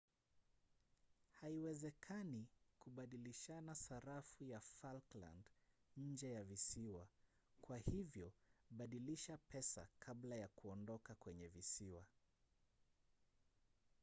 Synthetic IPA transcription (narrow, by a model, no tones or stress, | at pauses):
haiwɛzɛkʰanikuɓaɗiliʃanasaɾafujafalkla̰nd | ɲ̩d͡ʒɛjavisiwa | kwahivjɔɓaɗiliʃapɛsa̰kʰaɓlajakuɔndɔkakwɛɲɛvisiwa